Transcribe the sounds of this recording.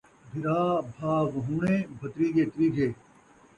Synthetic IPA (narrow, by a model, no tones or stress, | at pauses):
bʱɪɾaːbʱaːɡɦũːɳẽːbʱɐt̪ɾiːɡeːt̪ɾiːɡʱeː